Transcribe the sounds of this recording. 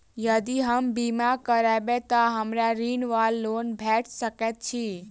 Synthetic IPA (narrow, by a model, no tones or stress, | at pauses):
jəd̪iɦəmbimakəɾabet̪əɦəmɾaɾinʋalːonbʱɛʈʰsəkɛt̪̚t͡ʃʰi